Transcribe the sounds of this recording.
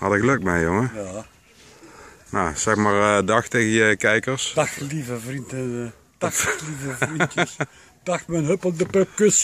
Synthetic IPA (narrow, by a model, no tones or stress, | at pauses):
ɑdəɣəlɵk̚tmɛjjoŋəjaː | nasɛxmaːrdɑxtejɣəjəkɛjkərsd̥ɑxlivəvrintə | d̥ɑxlivəvris | d̥ɑxtmɛnɦøpəlˠdəpəp̚køs